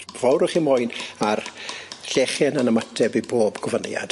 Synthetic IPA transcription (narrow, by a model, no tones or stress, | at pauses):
vɔwɾʊχimojnarɬɛχjɛnanəmatʰɛbiboːbɡɔvənja̰d̥